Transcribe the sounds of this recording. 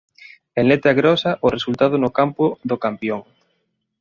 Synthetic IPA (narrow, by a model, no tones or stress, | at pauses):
eŋnlet̪aɣɾɔsɐʔʊresult̪aðʊnʊkampʊðokampjoŋ